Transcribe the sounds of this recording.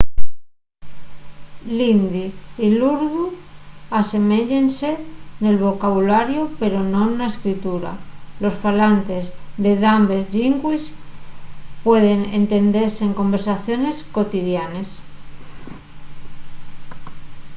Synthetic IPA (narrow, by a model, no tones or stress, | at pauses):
lind̪iiluɾðuase̞me̞ʎense̞ne̞lβ̞o̞kaβulaɾjope̞ɾo̞nõ̞nnaeskɾit̪uɾa̰lo̞sfalant̪e̞zðe̞ðambe̞zʝiŋkwis | pwe̞ð̞e̞nḛnt̪e̞nd̪e̞ɾseːŋko̞mbe̞ɾsaθjo̞ne̞sko̞t̪iðjanes